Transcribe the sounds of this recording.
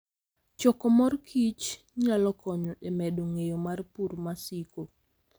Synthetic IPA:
t͡ʃɔkɔmɔrkʰit͡ʃ | ɲalɔkɔɲɔʔɛmɛdoŋejomarpuɾmasiko

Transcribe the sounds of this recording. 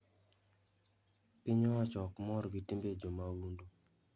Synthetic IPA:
pɪɲɔwat͡ʃɔkmɔɾɡɪtimbed͡ʒomawundo

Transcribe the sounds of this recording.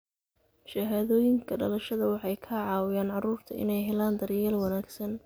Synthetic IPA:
ʃɐɦaːðɔːjɪŋkʰɐɖɐlɐʃɐðɐwɑħɑjkʰɐʕɑːwɪjaːnʕɑruːrt̪ʰɐʔɪ̰nɛjɦɛlaːnd̪ɐɾjɛːlwɑnaːɡsɐn

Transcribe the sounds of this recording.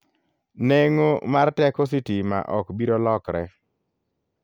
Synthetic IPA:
neŋomartɛkos̬itima̰ʔɔkbiɾolɔkɾɛ

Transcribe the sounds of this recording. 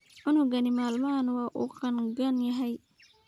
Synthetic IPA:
ʕʊnʊɡɐnɪmaːlmɐnwɑːʔṵːqɑnɡɐnjɐɦɛj

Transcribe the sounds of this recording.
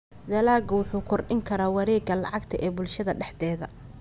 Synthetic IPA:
d̪ɐlaːɡɐwʊħuːkʰɔrɖɪŋkʰɐɾaːwɑɾɛːɡɐlɑ̰ʕɑɡt̪ʰɐʔɛːbʊlʃɐðɐɖɛħd̪ɛːðɐ

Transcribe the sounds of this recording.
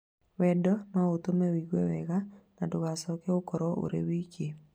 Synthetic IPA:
wɛdɔmaot̪omɛwiɣwɛwɛɣanadoɣasɔkɛokɔɾɔʔo̰ɾḛwiːke

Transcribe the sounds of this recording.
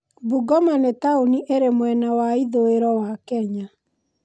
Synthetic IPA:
buɡɔmanetauniʔeɾemwɛnawaiðoeɾɔwakɛɲa

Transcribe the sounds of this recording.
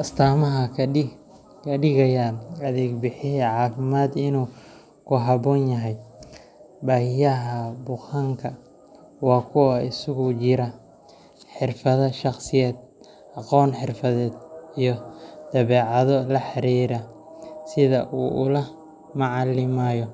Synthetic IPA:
ʔɐst̪ʰaːmɐɦɐ | kʰɐɖɪɣɐjaːnɐðɛːɡbɪħɪɦɛʕɑːfɪmaːd̪ɪnuː | kʰʊɦɑβɔːnjɐɦɛj | baːhɪjɐɦɐbʊqaŋkʰɐ | wɑːkʰʊwɐɪsʊɣʊt͡ʃɪɾɐ | ħɪrfɐðɐʃɑqsɪjɛːd̪̚ | ʔɑqɔːnħɪrfɐðɛːd̪̚ijɔd̪̥ɐβɛːʕɑðɔlɐħɑɾiːɾɐ | sɪðɐʔuːʔʊlɐ | mɑʕɑlɪmajɔ

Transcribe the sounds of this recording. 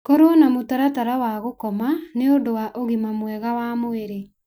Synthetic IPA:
kɔɾonamotaɾataɾawaɣokɔmaneondowaʔoɣimamwɛɣawamoeɾe

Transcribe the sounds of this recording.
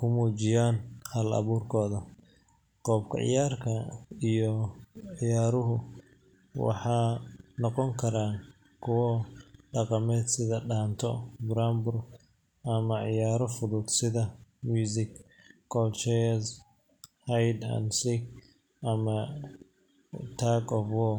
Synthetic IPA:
kʰʊmuːt͡ʃɪjaːnhɐlɐ̰βuːrkʰɔːðɐ | qɔːbkʰɐ̰ʕɪ̰jaːrkʰɐijɔʕɪjaːɾʊɦʊ | wɑ̰ħɑːnɔqɔŋkʰɐɾaː | kʰʊwɔɖɑqɑmɛːd̪sɪðɐɖaːnt̪ʰɔ̰bɾaːmbʊr | ʔɐmɐʕɪ̰jaːɾɔfʊðʊd̪sɪðɐmjuːsɪk | kʰɔlt͡ʃɛɐs | hɐjd̪a̰nsɪk | ʔɐmɐ | t̪ʰaːɡɔfwɔ

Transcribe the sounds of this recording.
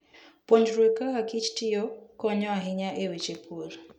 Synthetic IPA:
poɲd͡ʒɾwekaɦakit͡ʃtɪjɔkɔɲɔaɦɪɲaʔewet͡ʃepʰoɾ

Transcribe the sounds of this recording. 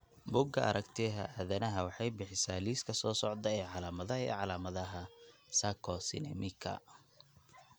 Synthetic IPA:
bʊɡɐɐ̰ɾʔɐkt̪ʰɪɦɐ̰ʔɐðɐnɐɦɐwɑħɑjbɪħɪsaːliːskʰɐsɔːsɔʕd̪ɐɛʕɑlaːmɐðɐɦɐɛ̰ːʕɑlaːmɐðɐɦɐsakʰɔsɪ̰nɛ̰mɪkʰɐ̰

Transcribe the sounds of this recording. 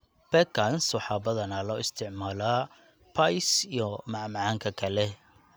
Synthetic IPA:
bɛkʰansħɑːbɐðɐnɐlɔːɪst̪ʰɪʕmaːla | pʰɐjsijɔmɑʕmʕaːŋkʰɐkʰɐlɛ

